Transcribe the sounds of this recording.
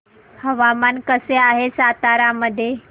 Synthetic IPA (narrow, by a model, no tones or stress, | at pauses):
hɐʋamankəseaːɦesaːt̪aːɾaməd̪ʱe